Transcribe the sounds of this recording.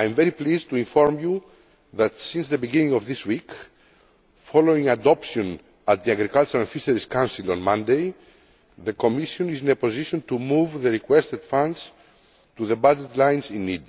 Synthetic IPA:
ajmveɾiplizt̪uĩɱfoɾmju | ðɐt̪sĩnsðebiɡinĩŋovðiswik | foloĩŋad̪ɔpʃiõn | ɐt̪̚ðiaɡɾikalt͡ʃuɾẽnfiseɾiskãwnsilõnmãnd̪ej | ðekomiʃjõnizinepoziʃõnt̪umuvðeɾikwest̪ed̪̥fãnds | t̪uðebad͡ʒet̪lãjnzĩnːid̪

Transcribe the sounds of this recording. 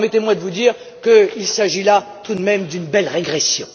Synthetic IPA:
mɛt̪emwad̪əvud̪iːʁ | kəilsaʒilat̪ud̪mɛmd̪ynbɛlʁeɡʁesjɔ̃

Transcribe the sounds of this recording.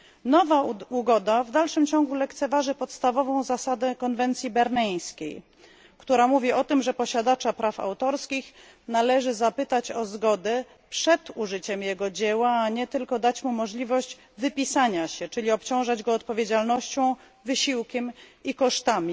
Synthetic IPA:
nɔvauɡɔd̪avd̪alʂɘmt͡ɕɔŋɡulɛkt̪sɛvaʐɘpɔt̪st̪avɔvɔ̃w̃zasad̪ɛkɔnvɛnt̪sʲjibɛɾnɛj̃skʲḛj | kt̪uɾamuvʲiɔt̪ɘmʐɛpɔɕad̪at͡ʂapɾafa̰wt̪ɔɾskʲix | nalɛʐɘzapɘt̪at͡ɕɔzɡɔd̪ɛ | pʂɛd̪uʐɘt͡ɕɛmjɛɡɔd͡ʑɛwaːɲɛt̪ɘlkɔd̪at͡ɕmumɔʐlʲivɔɕd͡ʑ | vɘpʲisaɲaɕɛt͡ʂɘlʲiɔpt͡ɕɔ̃w̃ʐad͡ʑɡɔːt̪̚pɔvʲjed͡ʑalnɔɕt͡ɕɔ̃w̃ | vɘɕiwkʲɛmikɔʂt̪amʲi

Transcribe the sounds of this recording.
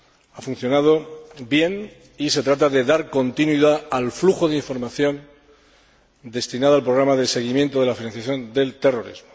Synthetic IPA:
afun̟θjo̞nað̞o̞bje̞n | ise̞t̪ɾat̪aðe̞ðaɾko̞nt̪inwiðaːlfluxo̞ðeiɱfo̞ɾmaθjõ̞n | d̪e̞st̪inaðalpɾo̞ɣ̞ɾamaðe̞se̞ɣ̞imje̞nt̪oðe̞lafinãnθjaθjõ̞nd̪e̞lt̪e̞ro̞ɾḭzmo̥

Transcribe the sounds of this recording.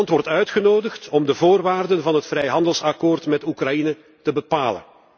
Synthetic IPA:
ntʋɔrtœɥtxənoːdəxtɔmdəvoːrʋaːrdənvɑnɦətfrɛjɦɑndəlˠsɑkoːrtmɛtukrɑjinə | təbəpaːlə̰n

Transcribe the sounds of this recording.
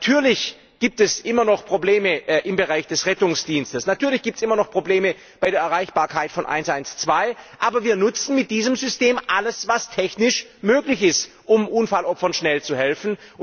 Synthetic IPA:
tʰyːɐlɪç | ɡ̥iːp̚tɛsʔɪmɐnɔχpʁ̥obleːməʔɪmbəʁaɪçd̥ɛsʁɛtʊŋsd̥iːnstəsnatʰyːɐlɪçɡ̥iːptsʔɪmɐnɔχpʁ̥obleːmə | b̥aɪɾeɐɛɐʁaɪçb̥aːɐkʰaɪtfɔnʔa̰ɪnsʔaɪnst͡sv̥aɪʔaːbɐviːɐnʊt͡sn̩mɪt̚d̥iːzəmzʏsteːmʔaləsvastʰɛçnɪʃmøːklɪçɪst | ʔʊmʔuːnfalɔpfɐnʃnɛlt͡suhɛlfn̩

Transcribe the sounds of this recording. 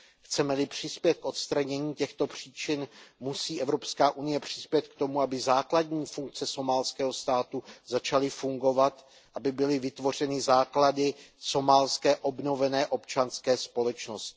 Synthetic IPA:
xt͡sɛmɛlɪpr̝̥ɪspjɛt̪̚kʔo̞t̪st̪ɾaɲɛɲiːcɛxt̪o̞pr̝̥iːt͡ʃɪnmusiːʔɛvɾo̞pskaːʔunɪjɛpr̝̥ɪspjɛt̪̚k̚t̪o̞muabɪzaːkladɲiːfuŋk̚t͡sɛso̞maːlskɛːɦo̞st̪aːt̪uzat͡ʃalɪfuŋɡo̞vat̪ | ʔabɪbɪlɪvɪt̪vo̞r̝ɛnɪzaːkladɪso̞maːlskɛːʔo̞bno̞vɛnɛːʔo̞pt͡ʃanskɛːspo̞lɛt͡ʃnoscɪ

